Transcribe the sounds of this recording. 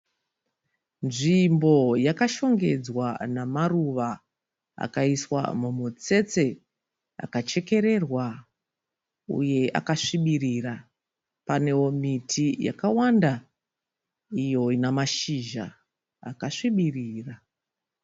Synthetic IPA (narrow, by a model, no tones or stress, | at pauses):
nʐimbo̞jakaʃo̞ŋɡe̞d͡zwanamaruʋa | a̰kaiswa̰mumut͡se̞t͡se | a̰kat͡ʃe̞ke̞ɾe̞rwa | ṵje̞a̰kaʂiɓirira | pane̞womitʰija̰kawanda | ijo̞inamaʃiʒa̰ː | kaʂiɓiriːra